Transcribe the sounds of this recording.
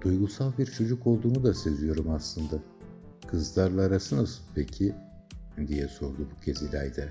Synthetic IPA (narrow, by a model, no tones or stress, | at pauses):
d̪̥ujɡusalˠbiɾt͡ʃʰo̞d͡ʒuko̞lˠd̪uːnud̪ase̞zijo̞ɾumaslˠɯnd̪a | kʰɯzlˠaɾlˠaːɾasɯnasɯnpʰecʰi | d̪ijɛso̞ɾd̪ubucʰe̞zilʲæjd̪ɛ